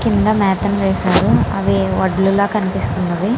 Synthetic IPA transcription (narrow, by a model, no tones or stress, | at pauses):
kind̪ɐmɛːt̪ɐmʋeːʃaːɾuɐ̰ʋiʋɐɖluloːkɐnipist̪undɐʋi